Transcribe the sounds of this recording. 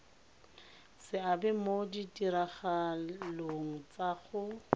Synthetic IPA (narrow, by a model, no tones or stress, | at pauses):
sɪabɛmodidiɾaχaloŋ̩t͡saχʊ